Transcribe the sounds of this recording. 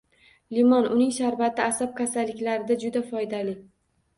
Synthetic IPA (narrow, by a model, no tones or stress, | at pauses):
limɒnʊnɪŋʃaɾvat̪ʰɪasap̚kʲʰasalːɪkʲlaɾɪd̪ad͡ʒʊd̪afɒjd̪alɪ